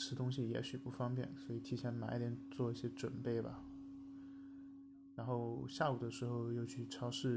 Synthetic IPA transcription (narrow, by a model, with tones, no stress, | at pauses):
ʂɻ̩˥t̪ʊ˥ŋɕi˨jɛ̰˧˥ɕy˨˩pu˥˩fɑ˥ŋpjɛ̰˥˩nswɔ˧˥i˨˩t̪ʰi˥˩ɕʰjɛ˧˥nma˨˧˥jɛ˨˥nt͡swɔ˥˧i˥˩ɕjɛ˥ʈ͡ʂwə˨˩npe˥˩ɪbɐ̰˨˩ | ɻa˧˥nxo˥˧ʊɕja˥˩u˨˩d̪ə˦ʂɻ̩˧˥xo˥˧ʊjo˥˧ʊt͡ɕʰy˥˩ʈ͡ʂʰɑ˥ʊʂɻ̩˥˩